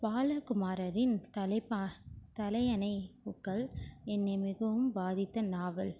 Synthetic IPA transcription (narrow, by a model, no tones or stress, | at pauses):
paːlɐkʊmaːɾɐɾɪnt̪ɐlɐpt̪ɐlɐɪɐnɐɪpʊkːɐɭɛnːɐmɪɣɐʋɯmbaːðɪt̪ːɐnaːʋɐl